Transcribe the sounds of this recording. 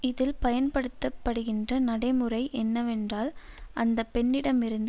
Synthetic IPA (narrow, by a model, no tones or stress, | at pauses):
ɪðɪlpɐjɐnpɐɽɯt̪ːɐpːɐɽɯɣɪndrɐnɐɽɐɪmɯrɐɪʔɛnːɐʋɛndraːl | ʔɐnd̪ɐpːɛɳːɪɽɐmɪɾɯnd̪ɯ